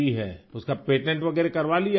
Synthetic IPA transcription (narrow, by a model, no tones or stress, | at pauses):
iɦɛ̰ːʊskapeːʈɛ̃ɳʈʋɐɡɛːɾekɐɾʋalia